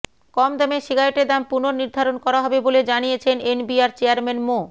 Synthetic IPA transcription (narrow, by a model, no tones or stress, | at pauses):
kɔmd̪ɛmeʃiɡʱajoʈed̪ampunoɾniɾd̪ʱaɾonkɔɾaɦɔbeboled͡ʑanijet͡ɕʰenenbiaɾt͡ɕeaɾmenmo